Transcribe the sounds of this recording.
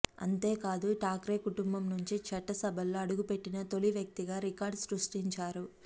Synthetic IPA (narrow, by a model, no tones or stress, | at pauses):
ɐ̰nt̪e̞ːkaːd̪uʈaːkɾeːkuʈumbɐmnuɲt͡ʃit͡ʃɐʈːɐsɐbʱɐlːoːɐɽuɡupe̞ʈːinɐt̪o̞liʋjɐk̚t̪iɡaːɾikaːɾɖsɾusʈiɲt͡ʃaːɾu